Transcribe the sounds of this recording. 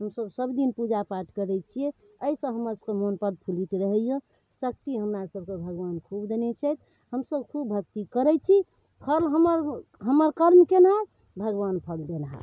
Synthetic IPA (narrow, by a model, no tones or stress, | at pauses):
ɦəmsəbsəbd̪inpud͡ʒapaʈʰkəɾɛt͡ʃʰie | əisə̃ɦəməɾsəkemonpəd̪̚pʰulit̪ɾəɦɛjẽ | sək̚t̪iɦəmɾasəb̚ʱkebʱəɡʋankʰubd̪enet͡ʃʰɛt̪̚ | həmsəbkʰubbʱək̚t̪ikəɾɛt͡ʃʰi | pʰəlɦəməɾɦəməɾkəɾmkenɦa | bʱəɡʋanpʰəld̪enɦa̰